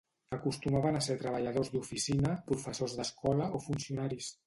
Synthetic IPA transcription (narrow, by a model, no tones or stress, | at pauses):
əkust̪umaβənaseɾt̪ɾəβəʎəðozd̪ufisinəpɾufəsozðəskɔləʔofunsiunaɾis